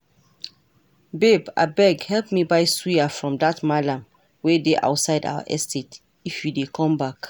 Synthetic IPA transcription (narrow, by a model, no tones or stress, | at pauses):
beba̰bɛɡhɛlp̚mibajswiafɹɔ̃mdatmalãm | wɛdeʔa̰ʊtsaɪda̰wə̰ʔɛstʰet | ifwidekʰɔ̃mbak